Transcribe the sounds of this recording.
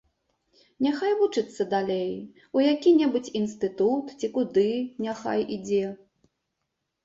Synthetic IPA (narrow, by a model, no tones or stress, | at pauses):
nʲaxajvut͡ʂɨt̪sːɐd̪alʲej | ujakʲinʲɛbut͡sʲinst̪ɨt̪ut̪t͡sʲikud̪ɨnʲaxa̰jid͡zʲɛ